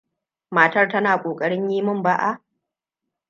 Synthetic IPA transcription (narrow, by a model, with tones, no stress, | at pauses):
maː˨tɐ˦rtɐ˦naː˨kʷʼoː˨kʼɐ˦ɽɪ˦ɲjiː˦mʊ˦mba˦ʔa˦˨ʔ